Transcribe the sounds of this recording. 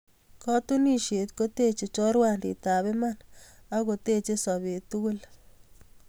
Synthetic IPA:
kɔ˦tu˦ni˦ʃe˨tko˦te˦t͡ʃe˨t͡ʃɔ˦ɾwa˦ndḭ˨ta˨βɛ˦ma˦˨na˦ko˨te˦t͡ʃe˦sɔ˨be˨tu˦ɡu˦l

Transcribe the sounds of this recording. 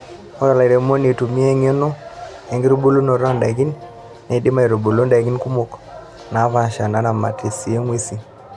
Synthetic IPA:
ɔ˦a˨la˨i˨ɾe˨˦mo˦ni˨tu˨mi˦ɛ˦ŋ˦o˦no˦ɛ˨ŋɡi˦ɾu˦bo˦lu˦no˨ɾɔ˦nda˨ɡi˦nː | a˨dɪ˦ma˦i˨ɾo˨bo˨lo˦nda˨ɡi˦nku˦mo˨k | na˨˦va˨ʃa˨na˨˦na˨ma̰˨ti˨si˨e˦ŋwe˦si˨

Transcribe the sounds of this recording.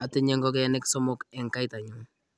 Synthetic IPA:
a˨te˦ɲɛ˦ŋɡɔ˦k̬eɛ˦nɛ˦ksɔ˦mɔ˨kɛ˨ŋka˦i˦ta˨ɲʊ˦ŋ

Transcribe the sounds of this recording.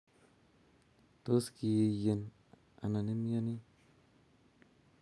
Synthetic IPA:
to˦ski˨je˧je˨n | a̰˨na˨ni˦m˦ja˦ni˦

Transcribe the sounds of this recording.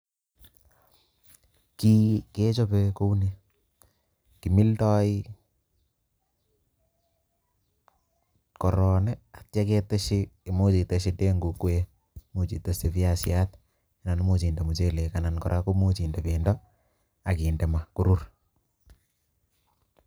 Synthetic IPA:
kike˦t͡ʃo˦peko˦une˦ | ki˨mi˦ltɔ˦i | kɔ˨ɾɔnɛa˨tja˦kete˦ʃi˦e˨mo˦t͡ʃi˨te˨ʃi˦te˦ŋɡu˨ku˦e | mo˨t͡ʃi˨te˦se˨piasjat̚ | e˨na˨n˦mo˨t͡ʃi˨nde˨mu˨t͡ʃe˦le˨kanankɔɾʔa˦komo˦t͡ʃi˨nde˨pendɔ | a˨kiː˨nde˨maku˦ɾu˦r

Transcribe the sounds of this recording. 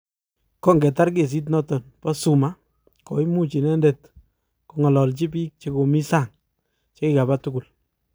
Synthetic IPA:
kɔ˦ŋɡɛ˨ta˦ɾk̬e˨s̬i˦t̬nɔ˦tɔ˨npɔ˦su˨ma˦ | kɔ˨jmu˦t͡ʃi˨nɛ˦nde˨t | ku˨ŋɔ˨lɔ˨lt͡ʃi˦p̬iː˦k̚t͡ʃe˦ko˨mi˦sa˦˨ŋ | t͡ʃe˦ki˦ka˨ba˦tu˦ku˨l

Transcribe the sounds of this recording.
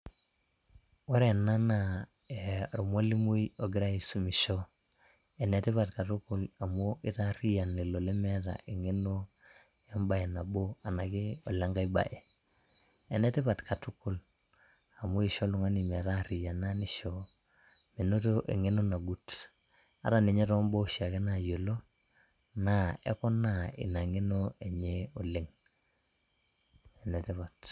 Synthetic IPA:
we˦ɾe˨na˦na˨ | e˨ɾo˨mo˦li˦mu˦jo˨ɡi˦ɾa˦i˨su˨mi˨ʃo˦ | e˨ne˨ti˦βa˨tka˨tu˦ku˨la˨mo˦i˦ta˦ɾi˦ja˨nle˨lo˨le˦me˦ta̰˨ʔe˨ŋe˦no˦ | ja˦mba˨e˨na˨bo˦a˨na˨ɡi˦o˨la˦ŋɡa˦i˦ba̰˨ʔe˨ | e˨ne˦ti˦pa˨tkʰa˨tu˦ku˦l | a˨mu˦i˨ʃo˦lu˨ŋa˦ni˨me˨ɾa˦˨ɾi˨ja˨na˦ni˦ʃo˦ | me˨no˦to˦ʔḛ˨ŋe˦no˦na˨ɡu˦t | a̰˦ɾa˨ni˨ɲe˦ɾɔ˦mbo˦˨ʃi˨a˨ke˦na˨je˨lo˦ | na˨ḛ˦kɔ˦na˦˨ḭ˨na˨ŋe˦no˦e˨ɲe˦o˨le˦ŋ | e˨ne˨te˦pa˨t

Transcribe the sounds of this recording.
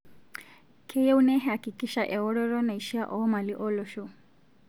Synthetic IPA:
kʰɛ˦jɛ˦unɛ˦ɦɛ˨a˨ki˨kʼi˦ʃaʔɛ˨ɔ˦ɾɔ˦ɾɔ˦na˨iʃi˦a˦ʔɔɔ˦ma˨li˦ʔɔ˦lɔʃu˦

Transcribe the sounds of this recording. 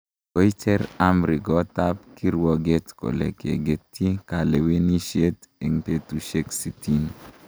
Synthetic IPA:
o˦i˦t͡ʃɛ˦ɾa˦mɾi˨ɡɔ˦ta˦p̚ki˦ɾwɔ˦ɡe˦tko̰˨lḛ˨kḛ˨ɡe˨tʰi˦ka˨le˨we˦ni˦ʃe˦te˨ŋpe˦t̪u˨ʃe˦ksi˨ti˦n˨

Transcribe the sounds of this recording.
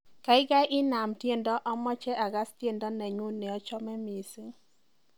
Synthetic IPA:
ka˨ɪ˦ɡa˦jʔɪ˦na˨mtje˦ndɔ˦ʔɔ˦mɔ˦t͡ʃɛ˦ʔa˨ɡa˦stje˦ndɔ˦nɛ˨ɲu˦ne˨ɔ˦t͡ʃɔ˦mɛ˦mi˨si˦ŋ

